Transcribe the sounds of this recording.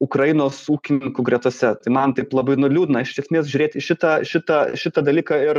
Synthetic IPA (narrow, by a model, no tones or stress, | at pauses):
ʊkɾɐjɪnoːsuːkʲɪnʲɪŋkʊɡɾʲɛt̪uɔsʲɛt̪ɐɪmɐnt̪ɐɪplˠɐbɐɪnʊlʲuːd̪ʲɪnɐɪʃɪʃʲɛsʲmʲeːsʒʲʊɾʲeːt̪ʲɪʃʲɪt̪ɐʃʲɪt̪ɐʃʲɪt̪ɐd̪ɐlʲiːkɑɪr